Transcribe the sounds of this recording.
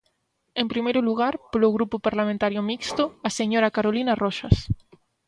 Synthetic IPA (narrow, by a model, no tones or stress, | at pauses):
ẽmpɾimejɾʊluɣaɾpoloɣɾupopaɾlamẽnt̪aɾjʊmikst̪ʊaseɲoɾakaɾolinaroʃas